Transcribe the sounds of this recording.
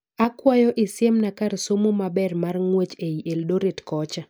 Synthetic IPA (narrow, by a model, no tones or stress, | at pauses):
akwajɔʔɪsjemnakarsomomabɛrmarŋwet͡ʃeiʔeldoɾetkɔt͡ʃa